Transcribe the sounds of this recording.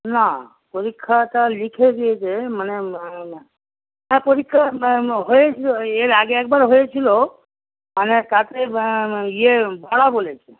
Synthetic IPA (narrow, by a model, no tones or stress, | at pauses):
na | pɔɾikʰːat̪alikʰed͡ʒiet͡ʃʰeməne | ɦãpɔɾikʰːaɦoet͡ʃʰiloeɾaɡeek̚baɾɦoet͡ʃʰilo | ənet̪at̪eijebaɽabolet͡ʃʰe